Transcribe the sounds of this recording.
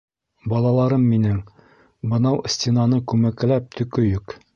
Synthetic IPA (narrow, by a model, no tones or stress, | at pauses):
bɒlˠɑlˠɑɾɤmːinɘŋ | bɤ̆nɑwsʲtʲenɑnɤkʉmæklæp̚t̪ʰɵ̆kɵjɵk